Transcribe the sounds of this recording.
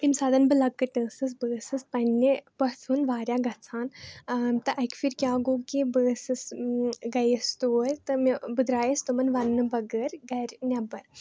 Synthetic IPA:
imsaːd̪ɐnbɨlɐkːɐʈəːsɨs̬bəːsɨspɐnːipɐsʰunʋaːɾʲjaɡɐt͡sʰaːn | t̪ɐʔɐjkfiɾʲkʲjaːɡoːkibəːsɨsɡɐjəst̪oːɾʲt̪ɐmbɨd̪ɾaːjɐst̪umɐnʋɐnːɨbɐɡəɾɡɐɾʲnʲabɐɾ

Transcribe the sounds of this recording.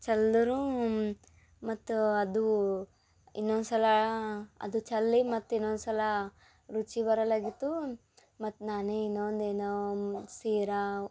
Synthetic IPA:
t͡ʃɐld̪ɐɾu | mɐt̪ːuɐd̪u | inːond̪sɐlɐɐ̰d̪ut͡ʃɐlːimɐt̪ːinːond̪sɐlɐ | ɾut͡ʃibɐɾɐlaɡit̪ːu | mɐt̪ːnaːneinːond̪eːnosiːɾa

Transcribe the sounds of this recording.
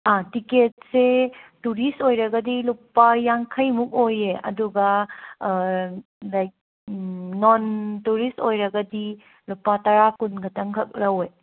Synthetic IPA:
atiket̚setuɾistojɾɐɡɐdilupːajaŋkʰɐjmuk̚ojeɐ̰duɡɐ | lajk̚ː | ontuɾistojɾɐɡɐdi | lupːatɐɾakunɡɐtɐŋkʰɐk̚ɾɐoj

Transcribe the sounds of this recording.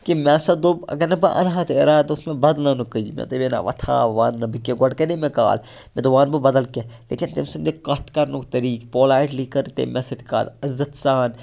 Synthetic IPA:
kimɛ̃ːsɐd̪obɐ̰ɡɐɾnɐbɐʔɐ̰nɦat̪eɾaːt̪oʊsmẽbɐd̪lnɐnukəjimɛ̰t̪oʋena̰ʋɐ̰t̪ʰa̰ːʋaːnːɐbikːeɡɐɽkɐnemẽka̰ːl | mɛ̃t̪oʋaːnbɐbɐd̪ɐlkelḛːkɪnt̪imsund̪ekɐt̪kɐɾnukt̪ɐɾiːkpoːlaːiʈliːkɐɾt̪ḛmɛsɐt̪i̥ka̰ːd̪ɐzɐt̪saːn

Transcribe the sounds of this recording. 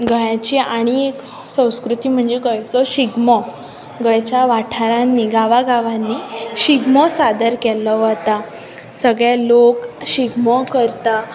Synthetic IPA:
ɡəjãt͡ɕiaɽ̃iek | sə̃w̃skɾut̪iːm̤əɳd͡zeɡəjt͡sɔɕiɡmɔ | ɡəjt͡ɕjaʋaʈʰaɾãnːiːɡaʋaɡaʋãnːiːɕiɡmɔsad̪əɾkɛləʋət̪a | səɡɭjalokɕiɡmɔkəɾt̪a

